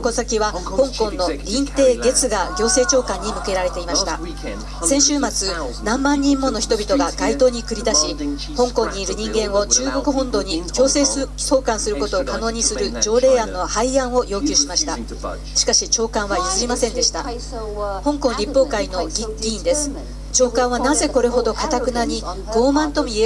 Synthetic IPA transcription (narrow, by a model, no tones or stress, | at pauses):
kosakʲiβahõ̞ŋkõ̞nːo̞ɾʲĩnt̪e̞ːɡe̞t͡sɨɡaɡʲo̞ːse̞ːt͡ɕo̞ːkãɲ̟ːimɯ̟ke̞ɾaɾe̞t̪e̞imaɕi̥t̪a | sẽ̞ɰ̃ɕɨːmat͡sɨnãmːãɲ̟ːĩmːo̞no̞çi̥t̪o̞bʲit̪o̞ɡaɡait̪o̞ːɲ̟ikɯ̟ɾʲid̪aɕi | hõ̞ŋkõ̞ɲ̟ːiːɾɯ̟ɲ̟ĩŋɡẽ̞ɰ̃o̞t͡ɕɨːɡo̞kɯ̟ɦõ̞nd̪o̞ːɲ̟ikʲo̞ːse̞ːso̞ːkãɰ̃sɨɾɯ̟ko̞t̪o̞ːkano̞ːɲ̟isɨɾɯ̟d͡ʑo̞ːɾe̞ːãnːo̞haiãɰ̃o̞jo̞ːkʲɨːɕimaɕi̥t̪a | ɕi̥kaɕit͡ɕo̞ːkãɰ̃βajisɨɾʲimasẽ̞nd̪e̞ɕi̥t̪a | hõ̞ŋkõ̞ŋɾʲipːo̞ːkaino̞ɡʲiɡʲĩːnd̪e̞sɨ̥ | t͡ɕo̞ːkãɰ̃anaze̞ko̞ɾe̞ɦo̞d̪o̞kat̪akɯ̟naɲ̟i | ɡ̥o̞ːmãnt̪o̞mie